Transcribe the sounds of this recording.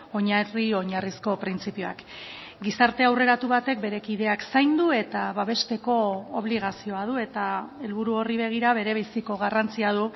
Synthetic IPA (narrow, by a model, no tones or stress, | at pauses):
o̞ɲario̞ɲarisko̞pɾint͡sipio̞a̰k | ɡisaɾt̪e̞awre̞ɾat̪uβat̪e̞k̚be̞ɾe̞kið̞e̞aksajnd̪ue̞t̪aβaβ̞e̞st̪e̞ko̞oβ̞liɣ̞asio̞að̞ue̞t̪ae̞lβuɾuo̞riβe̞ɣ̞iɾaβ̞e̞ɾe̞βesiko̞ɣ̞arant͡siað̞u